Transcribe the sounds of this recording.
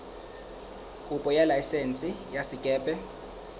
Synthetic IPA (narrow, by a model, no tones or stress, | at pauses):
kʼupʼɔjalajsent͡sʼijasikʼɛːpʼɛ